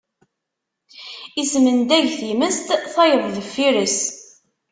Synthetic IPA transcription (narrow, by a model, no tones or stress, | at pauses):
ismənd̪æʝθiməst̪θɑjəðˤðəfːiɾəs